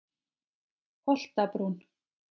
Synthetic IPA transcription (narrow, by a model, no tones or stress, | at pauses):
hɔl̥t̪apɾuːn